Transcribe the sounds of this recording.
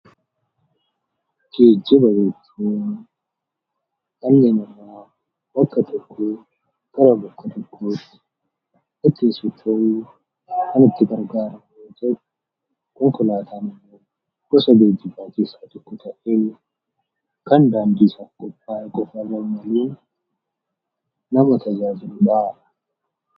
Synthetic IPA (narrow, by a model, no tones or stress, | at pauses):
ɡ̥eːd͡ʒːɛbɐjɛt͡ʃːuːn | lɐnːeːnɪrːaː | bɐkːɐt̪ɔkʰːoː | ɡ̥ɐɾɐbɐkːɐt̪ɔkʰːoːt̪ːɪ̥ | ʔɪt̪ːɪsʊt̪ʰɐʔu | kɐnɪt̪ːɪɡɐɾɡaːɾɐmjot̪ɛʔ | kɔŋkʊlaːt̪ʰaːnɪmːoː | ɡ̥ɔsɐd̪eːd͡ʒːɪbaːt͡ʃiːsaːt̪ɔkːɔt̪ʰɐʔeː | kɐnd̪aːnd̪iːsɐkʼɔpʼːaːʔɛkʼɔfɐrːɐmɐliːn | ɐmɐt̪ɐd͡ʒaːd͡ʒɪlʊᶑaɐ̥